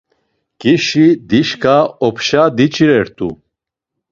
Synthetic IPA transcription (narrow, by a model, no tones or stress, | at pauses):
kʼiʃid̪iʃkʰʼaɔpʰʃad̪it͡ʃʼiɾɛɾt̪ʼu